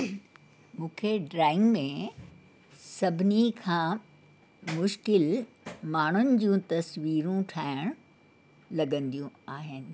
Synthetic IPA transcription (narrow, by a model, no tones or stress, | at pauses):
mũːkʰeɖɾaːɪ̃ŋɡmẽ | sɐbʱɪnikʰãː | mʊʃkɪl | maːɳ̤ʊnɪ̆d͡ʑũt̪ɐsʋiːɾũʈʰaːɪɽ̃ | lɐɡə̃nd̪ijũaːɦɪnɪ̆